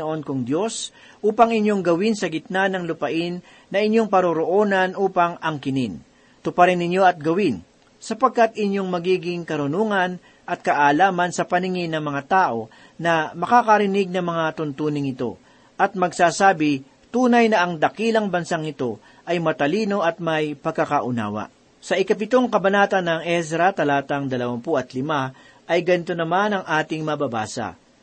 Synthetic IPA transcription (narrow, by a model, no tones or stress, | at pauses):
oʔo̞nkʊŋd̪jo̞s | ʔuːpɐŋɪɲjo̞ŋɡɐwɪnsɐɡɪt̪̚nanɐŋlʊpɐʔɪnː | ɐʔɪɲjo̞ŋpɐɾoɾoʔoːnɐnʔuːpɐŋɐŋkɪnɪn | t̪ʊpɐɾɪnɪɲjo̞ɐt̪̚ɡɐwɪn | sɐpɐɡ̚kat̪ɪɲjo̞ŋmɐɡiːɡɪŋkɐɾʊnuːŋɐn | ʔɐt̪̚kɐʔaːlaːmɐnsɐpɐnɪŋɪnːɐŋmɐŋat̪aːʔo̞ | nɐmɐkakɐɾɪnɪɡ̚nɐŋmɐŋat̪ʊnt̪uːnɪŋɪt̪o̞̰ | ʔɐt̪̚mɐɡsaːsaːbɪ | t̪uːnɐjnɐʔɐŋd̪ɐkiːlɐŋbɐnsaŋɪt̪o̞ | ʔɐjmɐt̪ɐliːno̞ʔɐt̪̚mɐjpɐɡ̚kːɐkaʔʊna̰ːwɐ̰ | sɐʔɪkɐp̬ɪt̪o̞ŋkɐbɐnaːt̪ɐnːɐŋʔɛs̬ɾɐt̪ɐlaːt̪ɐŋd̪ɐlɐwɐmpuʔɐt̪lɪma | ʔɐjɡɐnɪt̪onɐmanɐŋʔaːt̪ɪŋmɐbɐba̰ːsɐ̰